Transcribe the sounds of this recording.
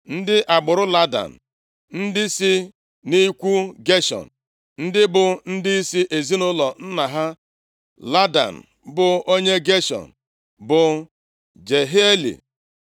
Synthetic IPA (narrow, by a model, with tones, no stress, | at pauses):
n̩˦dɪ˦ʔa˨ɡ͡bʊ˨ɾʊ˦la˦da̰˨n̩˨ | n̩˦dɪ˦sɪ˦ | ni˦kʷu˦ɡe˦ʃɔ̰˨n | n̩˦dɪ˦bʊ˨n̩˦dɪ˦i˦si˦ʔe˨zi˦nʊ˦lɔ˨n̩˦na˨ɦa˦ | la˦da̰˨n̩˨ | bʊ˨o˦ɲe˦ɡe˦ʃɔ̰˨n̩˨ | bʊ˨ | d͡ʒe˨ɦe˦e˦lḭ˨